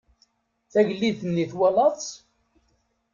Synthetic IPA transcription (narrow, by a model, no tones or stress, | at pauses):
θæʝlːiθənːiθwælɑðˤ